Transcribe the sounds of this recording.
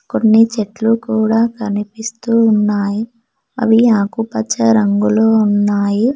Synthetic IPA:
ko̞nːit͡ʃeʈlukuːɽaːkɐnipist̪uːnːaːji | ɐ̰ʋiaːkupɐt͡ʃːɐɾɐŋɡuloːunːaːji

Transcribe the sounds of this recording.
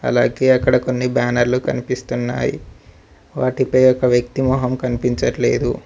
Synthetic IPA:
ɐ̰laːɡe̞ːɐkːɐɽɐko̞nːibaːnɐɾlukɐnipist̪unːa̰ːjḭ | ʋaːʈipɐjɔkɐʋjɐk̚t̪imɔːɦɐmkɐnipiɲt͡ʃɐʈle̞̰ːd̪u

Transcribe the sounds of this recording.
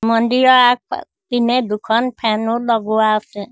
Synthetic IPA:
mɔnɖiɾɔak̚ | pinɛd̪ukʰɔnpʰɛnulɔɡuatɛ

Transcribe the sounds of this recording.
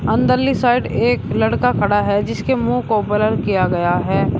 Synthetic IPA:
ɐ̃nd̪əɾlisaːɪɖeːklɐɽkakʰɐɽaɦɛd͡ʒɪskemũːkobɐləɾkijaɡɐjaɦɛː

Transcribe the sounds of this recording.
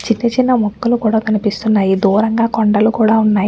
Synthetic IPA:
t͡ʃinːit͡ʃinːɐmɔkːulukuːɽaːt̪ɐnipist̪unːaːjid̪uːɾɐŋɡaːkoɳɖɐlukuːɽaːunːaːj

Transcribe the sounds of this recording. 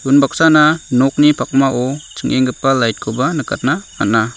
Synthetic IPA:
unbak̚sananɔk̚nipʰak̚maʔɔt͡ʃɯŋʔeŋɡɯpːalajt̚kʰɔbanɯkʰa̰t̚nama̰tna

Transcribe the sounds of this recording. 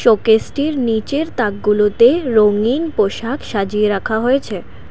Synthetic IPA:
ʃokesʈiɾnit͡ɕeɾt̪ak̚ɡulot̪eɾoŋinpoʃakʃad͡ʑieɾakʰaɦojet͡ɕʰe

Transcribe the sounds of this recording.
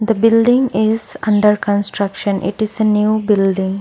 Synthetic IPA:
d̪əbɪlɖɪ̃ŋɪzʌ̃ɳɖəɾkə̃nsʈɾʌkʃə̃nʔɪ̰ʈɪzenjuːbɪlɖɪ̃ŋ

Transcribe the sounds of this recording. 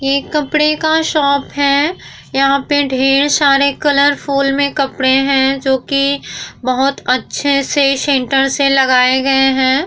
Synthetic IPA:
jeːkɐpɽekaʃɔːpɦɛ | jɐɦãpəɖʱeːɽ̃saːɾekɐləɾfʰuːlmẽkɐpɽeɦɛ̃ːd͡ʒoːkibɐɦʊt̪ɐtːʃʰeseʃɛ̃ːɳʈəɾselɐɡaːeɡɐeɦɛ̃ː

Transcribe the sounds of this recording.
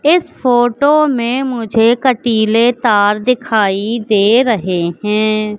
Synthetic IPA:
ɪsfoːʈomẽmʊd͡ʒʱekəʈiːlet̪aːɾd̪ɪkʰaːid̪eːɾɐɦeɦɛ̃ː

